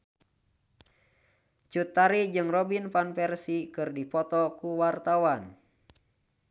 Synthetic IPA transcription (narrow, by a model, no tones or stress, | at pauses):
t͡ʃut̪ːaɾid͡ʒɨŋrɔbinpanpɛrsikɨrdipɔt̪ɔkuwart̪awan